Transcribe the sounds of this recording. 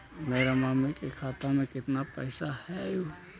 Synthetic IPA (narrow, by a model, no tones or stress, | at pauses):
mɛɾamamɛkʼɛkʰat̪amɛkit̪napɐjsahɛju